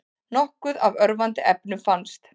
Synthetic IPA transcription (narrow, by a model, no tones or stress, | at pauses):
nɔhkʏðavœɾvant̪ɪʔɛpnʏfanst̪